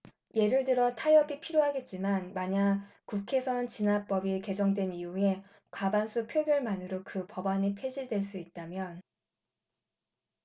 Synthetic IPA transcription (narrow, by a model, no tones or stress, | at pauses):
je̞ɾɯɭdɯɾʌtʰajʌbipʰiɾjoɦaɡe̞t̚t͡ɕ͈imanmaɲakukʰe̞sʰʌnt͡ɕinap͈ʌbike̞d͡ʑʌŋdwe̞nijue̞ | kwabansʰupʰjoɡjʌɭmanɯɾokɯpʌbaɲipʰe̞d͡ʑiɭdwe̞ɭs͈uit̚t͈amjʌn